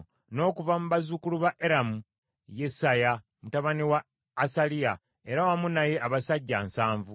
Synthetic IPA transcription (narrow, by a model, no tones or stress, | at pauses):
no̞ːkuvamuβazukuluβaʔeɾamu | je̞saja | mutaβaniwaː | salia | e̞ɾawamunaje̞aβasaɟːansaːɱvu